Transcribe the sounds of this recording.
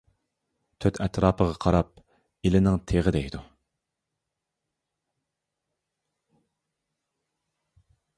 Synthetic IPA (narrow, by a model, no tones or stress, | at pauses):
t̪ʰøt̪ʰɛt̪ʰɾɑːpʰəʁɑqʰɑɾɑp̚ | ilɪnɪŋt̪ʰeʁəd̪ɛjd̪u